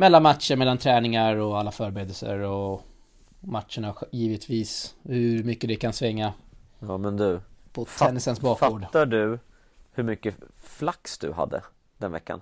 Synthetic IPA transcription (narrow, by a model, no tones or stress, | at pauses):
mɛlːanmat̪ʂəɾmɛlant̪ʰɾɛːnɪŋaɾɔalːafœːɾbɛɾeːd̪əlsə̰ɾɔ | mat̪ʂəɳajiːvət̪ʰviːshɵmʏkːəd̪ɛkʰansvɪŋːaɑːmɛnd̪ɵpʰɔt̪ʰɛnːɪsənsbɑːkfoːɖ̪aɖɵ | hɵɾmʏkːəflaksd̪ɵ̰ɦa̰d̪ːə̰ | d̪ɛnvɛ̰kːa̰n